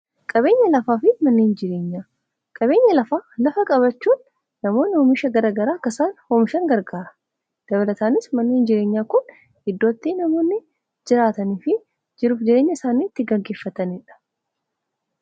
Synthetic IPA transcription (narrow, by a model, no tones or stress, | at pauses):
kʼɐbe̞ːɲːɐlɐfaːfɪmɐnːiːnd͡ʒɪɾe̞ːɲːaː | kʼɐβe̞ːɲːɐlɐfaːlɐfɐkʼɐβɐt͡ʃːuːnː | ɐmo̞ːnɪhɔːmɪʃɐɡɐɾaːɡɐɾaːkːɐsaːnhomɪʃɐŋɡɐɾɡaːɾɐ̥ | d̪̥ɐβɐlɐt̪aːnɪsmɐnːiːnd͡ʒɪɾe̞ːɲːaːkʊn | hɪd̪ːo̞ːt̪ːiːnɐmo̞ːnːɪ | d͡ʒɪɾaːt̪ɐniːfɪ | d͡ʒɪɾuːfd͡ʒɪɾeːɲːɐɪsaːniːt̪ːɪɡɐɡeːfːɐt̪ɐnɪᶑɐ̥